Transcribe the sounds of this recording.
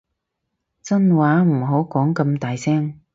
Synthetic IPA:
t͡sɐ˥nwaː˨˥m̩˨˩ɦo˨˥wkɔː˨˥ŋkɐ˧mt̪aː˨jsɛː˥ŋ

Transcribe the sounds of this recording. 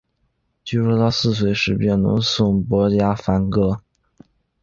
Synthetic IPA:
t͡ɕi˥ʂwɔ˥t̪ɑ˥˧ʊsɹ̩˥˩s̬we˧˥ɪʂɻ̩˧˥pjɛ˥˩nnʊ̰˧˥ŋsʊ˥˩ŋpwɔ˧˥t͡ɕja˥fa˧˥nkɤ˥

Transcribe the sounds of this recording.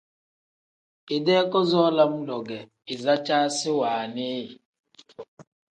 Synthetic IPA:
ɪ˨de˦kɔ˦zɔ˦la˦m̩˦lɔ˨ɡɛ˨ | ɪ˨za˦t͡ʃaː˦sɪ˦waː˨nɪ˦jɪ˨

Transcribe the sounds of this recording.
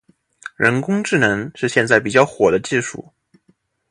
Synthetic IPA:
ɻə˧˥nkʊ˥ŋʈ͡ʂɻ̩˥˩nɤ˧˥ŋʂɻ̩˥˧ɕjɛ˥˧nt͡sa˥˩ɪp̬i˨˩t͡ɕjɑ˥˩ʊxwɔ˨˩d̪ə˦t͡ɕi˥˧ʂṵ˥˩

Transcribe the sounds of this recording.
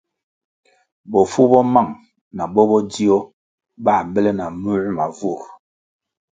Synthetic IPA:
bɔ˨fu˦bɔ˦ma˦˨ŋ | na˨bɔ˦bɔ˦di˦ɔ˦ | ba˦˨bə˦le˦na˨mu˦ɾma˨vu˦˨

